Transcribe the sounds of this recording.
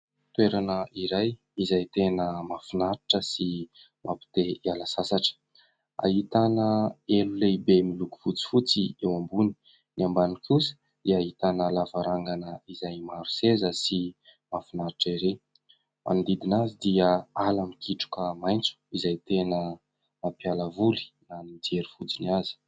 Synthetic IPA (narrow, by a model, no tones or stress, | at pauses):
t̪weɾanəʔiɾaj | izajt̪enəmafinaɾiʈ͡ʂəsi | mapi̥t̪eialasasaʈ͡ʂə̥ | a̰ɦit̪anəeluleibemiluku̥v̥ut͡si̥fut͡siewambuni̥ | niambanikʰʲusə̥ | d̪̥iaɦit̪anəlavaɾaŋɡanəizajmaɾu̥sezəsi | mafunaɾiʈ͡ʂiɾe | mʔa̰nid̪id̪inazid̪iəalamikiʈ͡ʂu̥kəmajnt͡su̥izajt̪enə | napialəvuli̥nanid͡zeɾifud͡ziniazi̥